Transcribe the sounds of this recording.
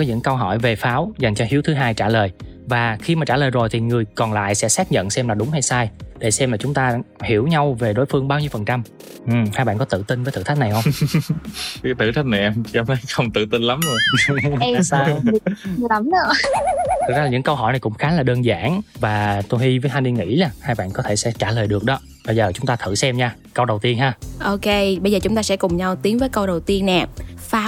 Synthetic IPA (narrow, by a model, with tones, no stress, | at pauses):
kɔ˨˦ɲɨ̰˧˥ŋkə˧wɦɔ˧˩˨jve˨˩faː˨˦wza˨˩jŋ̟t͡ɕɔ˧hi˨˦əwt̪ʰɨ˨˦ɦaː˧jt͡ɕaː˧˩ləː˨˩jvaː˨˩xi˧maː˨˩t͡ɕaː˧˩ləː˨˩jzo˨˩jt̪ʰi˨˩ŋɨ˨˩əjkɔ˨˩nla̰ː˧˨jsɛ̰˧˥saː˦˥t̚ɲə̰˧˨nsɛ˧mlaː˨˩ɗʊ˨˦ŋ͡mha˧jsaː˧jɗḛ˧˩sɛ˧mlaː˨˩t͡ɕʊ˨˦ŋ͡mt̪aː˧hi˧˩əwɲa˧wve˨˩ɗo˨˦jfɨ˧əŋɓaː˧wɲi˧əwfə˨˩nt͡ɕa˧m | ʔɨ˨˩haː˧jɓa̰˧˨ŋkɔ˨˦t̪ɨ̰˧˨t̪i˧nvəː˨˦t̪ʰɨ̰˧˩t̪ʰk̚na˨˩jhə˧wŋ͡m | kaː˨˦jt̪ʰɨ̰˧˨t̪ʰa˦˥k̚na˨˩jʔɛ˧mt͡ɕa˧˦ə˨˦jxə˧wŋ͡mt̪ɨ̰˧˨t̪i˧nla˨˦mzo˧˩˧ | aː˧˨˩ | a˨˦mə˧˨˩ | zaː˧˨a˨˩ɲɨ̰˧˥ŋkə˧wɦɔ̰˧˩jna˨˩jkʊ̰˧˥ŋ͡mxaː˨˦laː˨˩ɗəː˧nza̰ː˧˩nvaː˨˩t̪o˧jhi˧vəː˨˦jhʰa˧nɗi˧ŋḭ˧˥laː˨˩haː˧jɓa̰ː˧˨nkɔ˨˦t̪ʰe˧˩sɛ̰˧˥t͡ɕaː˧˩ləː˨˩jɗɨ˨˩ək̚ɗɔ˨˦ | ɓə˧jzəː˨˩t͡ɕʊ˨˦ŋ͡mt̪aː˧t̪ʰɨ̰˧˨sɛ˧mɲaː˧ | kə˧wɗə˨˩wt̪i˧ənɦaː˧ʔo˧ke˧ɓə˧jzəː˨˩t͡ɕʊ˨˦ŋ͡mt̪aː˧sɛ̰˧˥kʊ˨˩ŋ͡mɲa˧wt̪i˨˦əŋvəː˨˦jkə˧wɗə˨˩wt̪i˧ənːɛ˨˩faː˨˦